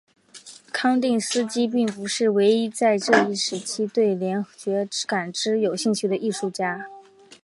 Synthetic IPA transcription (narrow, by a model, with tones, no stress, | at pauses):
kʰɑ˥ŋt̪i˥˩ŋsɹ̩˥t͡ɕi˥p̬i˥˩ŋpu˧˥ʂɻ̩˥˩we˧˥ɪi˥t͡sa˥˧ɪʈ͡ʂɤ˥˧i˥˩ʂɻ̩˧˥t͡ɕʰi˥t̪we˥˩ɪljɛ˧˥nt͡ɕɥɛ˧˥ka˨˩nʈ͡ʂɻ̩˥jo˨˩ʊɕi˥˧ŋt͡ɕʰy˥d̪ə˧ʔi˥˧ʂu˥˩t͡ɕja˥